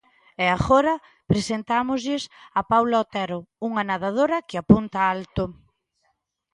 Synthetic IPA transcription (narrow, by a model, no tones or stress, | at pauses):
eaɣoɾɐ | pɾesent̪amozʎɪsapawlaot̪ɛɾouŋanaðað̞oɾɐkɪapunt̪ɐalt̪o